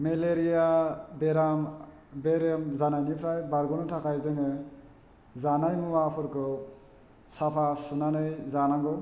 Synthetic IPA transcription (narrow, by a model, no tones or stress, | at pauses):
meleɾijabeɾam | beɾɔmzanajnipʰɾajbaɾɡɔnɔtʰakajzɯŋɯ | zanajmuwapʰɯɾkʰɯ | sapʰasunanɯjzanaŋɡɔ